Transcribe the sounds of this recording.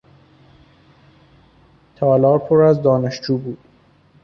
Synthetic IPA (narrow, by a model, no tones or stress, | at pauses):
t̪ʰɒːlɒːɾpʰoɾæzd̪ɒːneʃd͡ʒuːbuːd̪̥